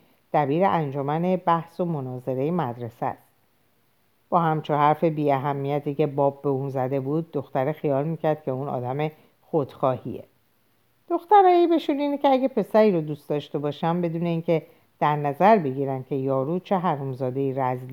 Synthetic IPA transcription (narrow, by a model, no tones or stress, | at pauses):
d̪̥æbiːɾeʔænd͡ʒomæne̞bæhso̞monɒːze̞ɾe̞jemæd̪ɾe̞sæ̰st̪ | b̥ɒːhæmt͡ʃʰohæɾfe̞biːæɦæmːijæt̪ʰiːke̞bɒːb̚ːe̞unzæd̪e̞buːd̪̚ːo̞xt̪æɾexijɒːlmiːcʰæɾd̪̥cʰe̞unɒ̰ːd̪æme̞ | xod̪̥xɒːhḭḛ | d̪̥o̞xt̪æɾɒːjibe̞ʃuniːnecʰeæɡepʰe̞sæɾiːɾod̪uːst̪d̪ɒːʃt̪e̞bɒːʃæmbe̞d̪uːne̞iːncʰe̞ | d̪̥æɾnæzæɾbe̞ɡiːɾænd̪̥cʲʰe̞jɒːɾut͡ʃʰe̞ɦæɾumzɒːd̪e̞iɾæzli